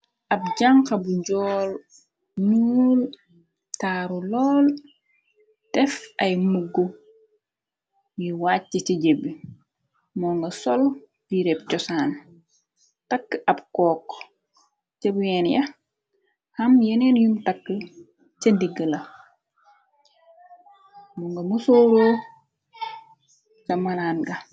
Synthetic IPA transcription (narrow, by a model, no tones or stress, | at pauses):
ʔɐb̚ɟaŋkɐbuɟɔːl | nul | taːɾulɔːl | tɛfɐjmuɡːo | jiwaːtːiciɟebi | mɔːŋɡɐsɔl | biɾɛp̚cɔsaːn | takːəʔɐb̚kɔːk | t͡ʃebjɛːnjɐ | hɐmjenenjumtakːə | t͡ʃɐndiɡəlɐ | muŋɡɐmusoɾoː | sɐmalaːnɡɐ